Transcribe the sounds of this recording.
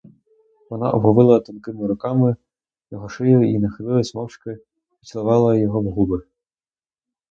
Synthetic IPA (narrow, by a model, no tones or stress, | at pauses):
vɔna̰ʔɔbɦɔvɨlˠɐt̪ɔnkɨmɨɾʊkamɨ | jɔɣɔʂɨjuinɐxɨlɨlˠɐsʲmɔwʂkɐ | i̥t͡sʲlˠɐvalˠɐjɔɣɔvɣubɨ